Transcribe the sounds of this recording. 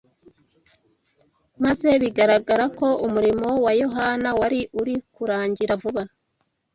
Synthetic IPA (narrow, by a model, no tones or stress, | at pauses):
maze̞βiɡaɾaɡaɾako̞ʔumuɾimo̞wajo̞ɦanawaɾiʔuɾikuɾaːɲɟiɾavuβa